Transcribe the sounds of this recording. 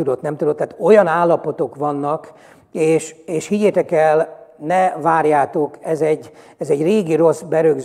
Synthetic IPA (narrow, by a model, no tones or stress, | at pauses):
ud̪o̞t̪nɛmt̪ud̪ot̪ːaːt̪o̞jɒnaːlːɒpo̞t̪o̞kʋɒnːɒk | eːʃeːʃhiɟeːt̪ɛkɛlnɛvaːrjaːt̪o̞kɛzɛɟː | ɛzɛɟreːɡiɾo̞zbɛɾøɡz